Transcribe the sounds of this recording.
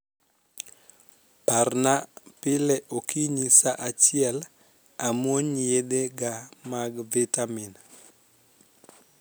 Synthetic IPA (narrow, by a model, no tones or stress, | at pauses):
parnapɪlɛʔokʰiɲisaʔat͡ʃɪɛl | amwoɲjedeɡamaɡvitamin